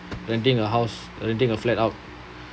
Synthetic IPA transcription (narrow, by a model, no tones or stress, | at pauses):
ɹɛ̃nt̬ĩŋəɦaʊs | ɹɛ̃ntĩŋəflɛtaʊt̚